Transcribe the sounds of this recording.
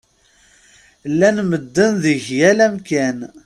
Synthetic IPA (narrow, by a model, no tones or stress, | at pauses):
lːænməd̪ːənðəʝjælæmkæn